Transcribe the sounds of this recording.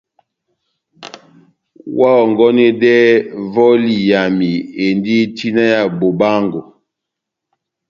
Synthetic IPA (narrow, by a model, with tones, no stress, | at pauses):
wa˦ɔ˨ŋɡɔ˦nɛ˦dɛ˦vɔ˦li˨ja˨mi˨e˨ndi˦ti˦na˦ja˨bo˨ba˦ŋɡo˨